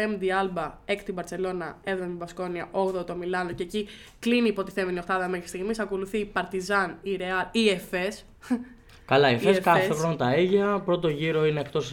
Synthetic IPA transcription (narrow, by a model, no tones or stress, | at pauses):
emd̪iɐlbɐekt̪ibɐɾse̞lo̞nɐe̞vðonɐt̪ibɐsko̞niɐʔo̞ɣðot̪o̞milɐnoce̞ːci | kliniːpo̞t̪iθe̞miniost̪ɐðɐme̞xɾist̪iɣmisɐko̞luθipɐɾt̪izɐniɾe̞ɐliefe̞s | kɐlɐiefeskɐfoxɾonɐt̪ɐeʝɐpɾo̞t̪o̞ʝiɾo̞ineːkt̪o̞s